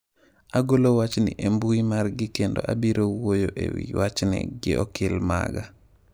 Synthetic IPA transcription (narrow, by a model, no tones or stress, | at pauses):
ʔaɡolowat͡ʃnḭʔembujmaɾɡikɛndo̰ʔabiɾowojoʔḛwḭwat͡ʃnḭɡḭʔokilma̰ɡa